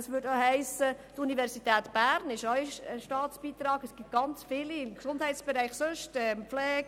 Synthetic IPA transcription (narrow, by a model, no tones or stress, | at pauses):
ɑsʋʏːdoɦɛɪsətunivɛɾsitɛːt̪b̥æːɾnɪʃɔiəʃtɑːtsb̥iːt̪ɾɑːɡ̥əsɡ̥ɪt̚ɡ̥ɑnt͡sfɪliɪmksʊndhɛɪtsb̥ɛɾɛɪχsøʃtɛmflɛːk